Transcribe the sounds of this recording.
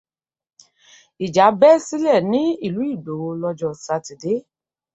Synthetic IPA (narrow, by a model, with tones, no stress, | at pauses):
i˨d͡ʒa˨˦bɛ˦si˦lɛ˦˨nĩ˨˦i˦˨lu˨˦i˦˨do˨˦o˧lɔ˧d͡ʒɔ˦˨sa˨˧˨ti˨de˨˦